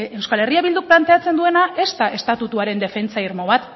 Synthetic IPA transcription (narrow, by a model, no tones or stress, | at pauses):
e̞wskale̞riaβild̪uk̚plant̪e̞at͡se̞nd̪ue̞naʔe̞st̪aʔe̞st̪at̪ut̪uaɾe̞nd̪e̞fe̞nt͡saiɾmo̞β̞at̪